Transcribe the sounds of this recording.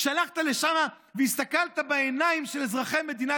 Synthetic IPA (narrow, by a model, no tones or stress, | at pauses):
ʃalaχt̪ale̞ʃana | veist̪akalt̪abaenaimʃelzʁaχe̞me̞d̪ina